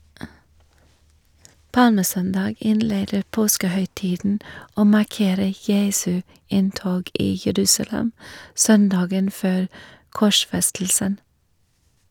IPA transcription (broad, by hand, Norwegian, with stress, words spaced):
ˈpɑlməˌsœndɑːɡ ˈɪnˌleːdəɾ ˈpoːskəhœʏˌtiːdn̩ ˈoː mɑˈkeːɾə ˈjeːsʉ ˈɪnˌtoːɡ ˈiː jəˈɾʉːsɑˌlɛm ˈsœnˌdɑːɡən ˈføːɾ ˈkɔˌʃfɛstl̩sən